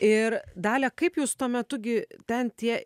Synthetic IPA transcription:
ɪɾd̪ɑːlʲɛkɐɪpjuːst̪uɔmʲɛt̪ʊɡʲɪt̪ʲɛnt̪ʲiɛ

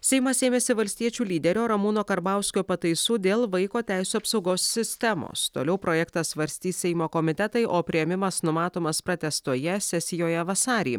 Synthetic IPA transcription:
sʲɛɪmɐseːmʲeːsʲɪʋɐlʲsʲt̪ʲiɛt͡ʃʲuːlʲiːd̪ʲɛɾʲoːɾɐmuːnoːkɐɾbɑˑʊsʲkʲoːpɐt̪ɐɪsuːd̪ʲeːlˠʋɐɪkoːt̪ʲæˑɪsʲuːɐpsɒʊɡoːsːʲɪsʲt̪ʲɛmo̰ːst̪o̰ːlʲɛʊpɾoːjɛkt̪ɐssʋɐɾʲsʲt̪ʲiːssʲɛɪmoːkomʲɪt̪ʲɛt̪ɐɪʔoːpʲɾʲɪjɛmʲɪmɐsnʊmɑːt̪oːmɐspɾɐt̪ʲɛst̪uɔjɛsʲɛsʲɪjoːjɛʋɐsɑːɾʲḭː

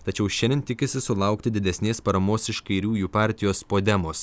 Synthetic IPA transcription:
t̪ɐt͡ʃʲɛʊʃʲɛnʲɪnt̪ʲɪkʲɪsʲɪsʊlˠɐˑʊkt̪ʲɪd̪ʲɪd̪ʲɛsʲnʲeːspɐɾɐmoːsɪʃkɐɪɾʲuːjuːpɑˑɾʲt̪ʲɪjoːspoːd̪ʲɛmoːs

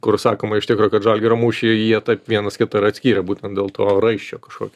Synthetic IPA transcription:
kʊrsɑːkoːmɐɪʃt̪ʲɪkɾoːkɐt̪ʒɐlʲɡʲɪɾɐmuːʃʲɪjiɛt̪ɐɪpʋʲiɛnɐskʲɪt̪ɐɪɾɐt̪ʲsʲkʲiːɾʲɛbuːt̪ʲɛnt̪d̪ʲeːlˠt̪oːrɐɪʃʲt͡ʃʲoːkɐ̥ʃkoːkʲː

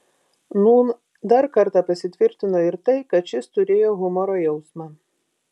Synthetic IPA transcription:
nuːn | d̪ɐɾkɐɾt̪ɐpɐsʲɪt̪ʲʋʲɪɾʲt̪ʲɪnoɪɾt̪ɐɪkɐt̪t͡ʃʲɪst̪ʊɾʲeːjoɣʊmɔɾojɛʊsmɑ

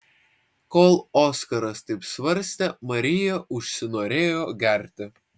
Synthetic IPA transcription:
koːlˠoːskɐɾɐst̪ɐɪpsʋɐɾʲsʲt̪ʲɛmɐɾʲɪjɛʊʃʲsʲɪnoːɾʲeːjoːɡʲɛˑɾʲt̪ʲɪ

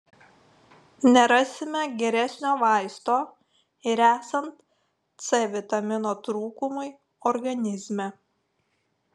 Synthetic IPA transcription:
nʲɛɾɑsʲɪmʲɛɡʲɛɾʲɛsʲnʲoːʋɑɪst̪oː | ɪɾæːsɐnt̪ | sɛʋʲɪt̪ɐmʲɪnoːt̪ɾuːkʊmʊɪ | ɔɾɡɐnʲɪzʲmʲɛ

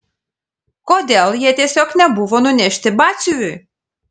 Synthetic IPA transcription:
kɔd̪ʲelˠjiɛt̪ʲɛsʲɔknʲɛbuʋɔnʊnʲɛʃʲt̪ʲɪbasʲyʊj

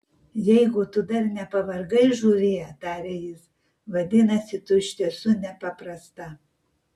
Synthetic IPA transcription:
jɛɪɡʊt̪ʊd̪ɐɾnʲɛpɐʋɐɾɡɐɪʒuːɾʲeːjɛt̪ɑːɾʲɛjɪs | ʋɐd̪ʲɪnɐsʲɪt̪ʊʃʲt̪ʲiɛsʊnʲɛpɐpɾɐst̪ɐ

